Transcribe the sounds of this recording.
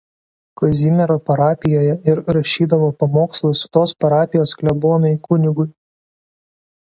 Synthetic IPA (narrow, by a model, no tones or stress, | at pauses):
kɔzʲimʲɛɾoːpɐɾɑːpʲɪjoːjɛɪɾɾɐʃʲiːd̪ɐʋoːpɐmoːkslˠʊsʊ̥t̪oːspɐɾɑːpʲɪjoːsklʲɛboːnɐɪkʊnʲɪɡʊɪ